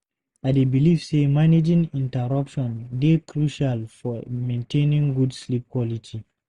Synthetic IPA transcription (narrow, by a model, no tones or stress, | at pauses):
ʔadebilivsemaned͡ʒĩŋĩntɛɾapʃɔ̃ndekɾuʃalfɔmẽntʰẽnĩŋɡudslip̚kwɔlitʰi